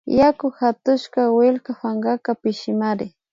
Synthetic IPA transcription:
jakʊxat̪ʊʃkawɪlkafaŋɡakapɪʃɪmaɾɪ

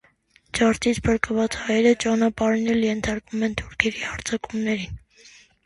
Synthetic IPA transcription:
d͡ʒɑɾt̪ʰit͡sʰpʰəɾkəvɑt͡shɑjɛɾət͡ʃɑnɑpɑɾinɛljɛnt̪ʰɑɾkvumɛnt̪ʰuɾkʰɛɾihɑɾt͡sʰɑkumnɛɾin

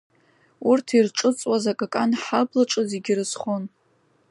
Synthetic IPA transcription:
urtʰirʈ͡ʂʼɨt͡sʼwazakʼakʼanħablaʈ͡ʂʼɨzeɡʲɪrɨzχon

